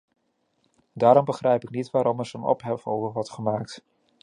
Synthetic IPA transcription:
daːɾɔmbəχrɛjpɪk̚nitʋaːɾɔmɛɹzonɔ̰pɦɛfowvəʋɔɹtχəmaːk̚t

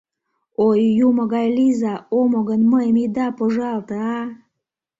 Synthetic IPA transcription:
ojːuməɣɑjlizɑomoɣənməjmid̪ɑpoʒɑlt̪əɑ

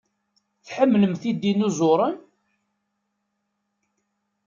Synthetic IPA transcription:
θħəmːləmθid̪inuzoɾˤən

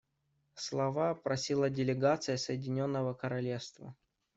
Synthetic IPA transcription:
slˠɐvapɾɐsʲilˠədʲɪlʲɪɡat̪sɨjəsəjɪdʲɪnʲo̞nːəvəkəɾɐlʲefst̪və̰

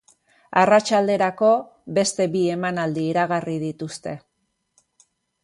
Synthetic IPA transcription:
arat͡ʃald̪e̞ɾako̞ | be̞st̪e̞βie̞manald̪iːɾaɣarið̞it̪ust̪e̞

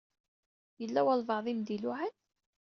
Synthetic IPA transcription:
jəlːæwælvɑʕðˤimd̪iluʕan

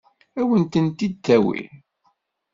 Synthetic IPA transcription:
æwənt̪ənt̪id̪θæwḭɾ

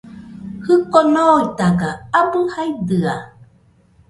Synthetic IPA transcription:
hɯkonoit̪aɡaabɯhaid̪ɯa

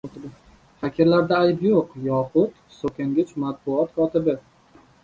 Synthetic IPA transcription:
t̪bɪ | hakʲʰeɾlaɾd̪aːjpjoqjɒqʰʊt̪ | sokʲʰaŋɡʲɪt͡ʃʰmat̪̚bʊɒt̪kʰɒt̪ɪbɪ

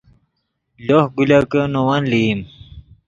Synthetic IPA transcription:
lohɡulɐkənowɐnliːm

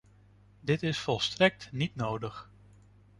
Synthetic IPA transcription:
dɪtɪsfɔlˠstrɛk̚tnitnowdəχ

